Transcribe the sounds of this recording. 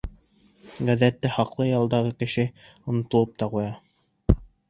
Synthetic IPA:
ɡæðæt̪ːɘhɑqlˠɤjɑlˠd̪ɑʁɤkɘ̆ʃɘ | ŏnŏt̪ŏlˠɤp̚t̪ɑqujɑ

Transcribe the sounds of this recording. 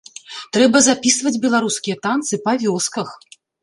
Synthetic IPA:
t̪ɾɛbɐzapʲisvɐd͡zʲbʲɛlˠaɾuskʲijɐt̪ant̪sɨpɐvʲɔskɐx

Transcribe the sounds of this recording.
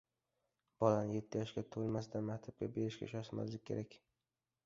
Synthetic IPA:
b̥ɒlanɪje̞t̪ʰːɪjɒʃɡʲat̪ʰolˠmas̬d̪anmakʲt̪ʰap̚kʲa̰be̞ɾɪʃkʲa̰ʃɒsma̰zlɪkʲʰːe̞ɾakʲ

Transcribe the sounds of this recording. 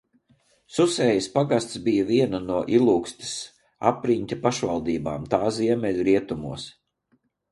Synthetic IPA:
susɛːjispaɡast̪sbijɐviɛnɐnuɔʔilˠuːkst̪ʲi̥s | a̰pɾiɲʲt̪ʲapaʃvalˠd̪iːba̰ːmt̪aːziɛmɛlʲɾiɛt̪umṵɔs

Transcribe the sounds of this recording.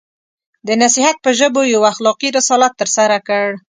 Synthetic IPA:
d̪ənasihat̪̚pəʒəbojawaxlɑqiɾɪsɑlat̪ːəɾsaɾakəɽ

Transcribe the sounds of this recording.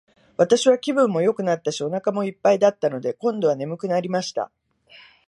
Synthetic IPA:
βat̪aɕiβakʲibɯ̟̃mːo̞jo̞kɯ̟nat̪ːaɕio̞nakamo̞ipːaid̪at̪ːano̞d̪e̞kõ̞nd̪o̞β̞ane̞mɯ̟kɯ̟naɾʲimaɕi̥t̪a̰

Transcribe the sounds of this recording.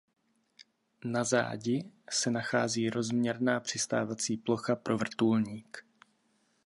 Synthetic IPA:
naza̰ːɟɪsɛnaxaːziːɾo̞zmɲɛɾnaːpr̝̥ɪst̪aːvat͡siːplo̞xapɾʔo̞vr̩t̪ulɲiːk

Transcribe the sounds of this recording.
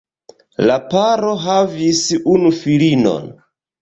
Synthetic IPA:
lapaɾo̞ɦavisunufilino̞̰n

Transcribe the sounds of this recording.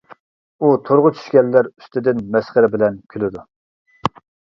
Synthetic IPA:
ut̪ʰoɾʁʊt͡ʃʰy̥ʃkʲɛlːæɾy̥st̪ɪd̪ɪnmɛsχəɾɪbɪlɛnkʲʰylɪd̪u

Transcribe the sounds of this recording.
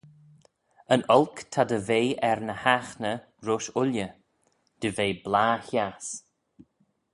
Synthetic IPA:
ənɔlkt̪ʰad̪əveːɛɹnəhaxnə | ɾʊʃʊljə | d̪̥əveːblaːças

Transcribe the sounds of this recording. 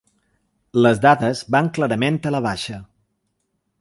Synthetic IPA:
ləzd̪aðəzβaŋklaɾəment̪ələβ̞aʃə

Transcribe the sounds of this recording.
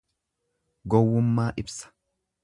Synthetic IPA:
ɡɔwːʊmːaːʔɪbsɐ̥

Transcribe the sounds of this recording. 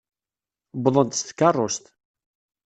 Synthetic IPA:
bðˤənt̪st̪ə̥kːɑrˤːost̪

